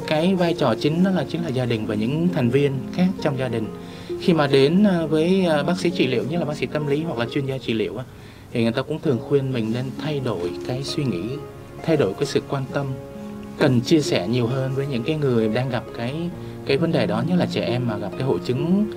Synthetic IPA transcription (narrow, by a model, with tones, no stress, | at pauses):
kaː˨˦jvaː˧jt͡ɕɔ˨˩t͡ɕï˨˦ŋ̟nɔ˨˦laː˨˩t͡ɕï˨˦ŋ̟laː˨˩zaː˧ɗï˨˩ŋ̟vaː˨˩ɲɨ̰˧˥ŋt̪ʰɛ˨˩ŋ̟vi˧ənxaː˦˥k̚t͡ɕɔ˧wŋ͡mzaː˧ɗï˨˩ŋ̟ | xi˧maː˨˩ɗe˨˦nː˧˨˩vəː˨˦jːɓaː˦˥k̚sḭ˧˥t͡ɕḭ˧˩lḭ˧˩əwɲə˦˥laː˨˩ɓa˦˥ksḭ˧˥t̪ə˧mli˨˦ɦwa˨˩k̚laː˨˩t͡ɕwi˨˩ənzaː˧t͡ɕḭ˧˩lḭ˧˨əwʔaː˧˩ | t̪ʰi˨˩ŋ˨˩t̪aː˧kʊ̰˧˥ŋ͡mt̪ʰɨ˨˩əŋxwi˧ənmï˨˩ŋ̟ne˧nt̪ʰa˧jɗo˧˩jkaː˨˦jswi˧ŋḭ˧˥ | t̪ʰa˧jɗo˧˩jkaː˨˦jsɨ̰˧˨kwaː˧nt̪ə˧mkə˨˩nt͡ɕi˧əsɛ˧˩ɲi˨˩əwɦəː˧nvəː˨˦ɲɨ̰˧˥ŋkaː˨˦jŋɨ˨˩əjɗaː˧ŋɣa˨˩p̚kaː˨˦j | kaː˨˦jvə˨˦nɗəː˨˩jɗɔ˨˦ɲə˦˥laː˨˩t͡ɕɛ˧˩ʔɛ˧mːaː˨˩ɣa˨˩p̚kaː˨˦jɦo̰˧˨jt͡ɕɨ˨˦ŋ